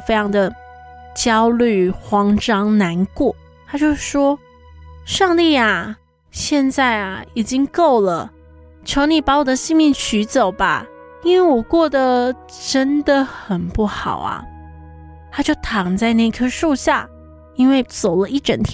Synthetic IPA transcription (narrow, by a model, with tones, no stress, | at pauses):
fe˥ɪjɑ˧˥ŋd̪ə˨t͡ɕjɑ˥ʊly˥˨˩xwɑ˥ŋʈ͡ʂɑ˥ŋna˧˦nkwɔ˥˩ | t̪ʰa˥t͡ɕjo˥˧ʊ˥˩ʂwɔ˥ | ʂɑ˥˧ŋt̪i˥˩a˨˩ | ɕjɛ˥˧nt͡sa˥˩ɪa˨˩i˨˩t͡ɕi˦ŋko˥˩ʊlə˩ | ʈ͡ʂʰjo˧˥ʊni˨˩pa˧˥wɔ˨˩d̪ə˦ɕi˥˧ŋmi˥˩nt͡ɕʰy˧˥t͡so˨˩ʊba̰˨˦ | i˥nwe˥˩ɪwɔ˨˩kwɔ˥˩d̪ə˩ | ʈ͡ʂə˦˥nd̪ə˨xə˨˩npu˥˩xɑ˨˩ʊa̰˨˩ | t̪ʰa˥t͡ɕjo˥˩ʊt̪ʰɑ˨˩ŋt͡sa˥˧ɪna˥˩˧i˧kʰɤ˥ʂu˥˧ɕja˥˩ | i˥nwe˥˩ɪt͡so˨˩ʊlə˦i˥˩ʈ͡ʂə˨˥˦nt̪ʰ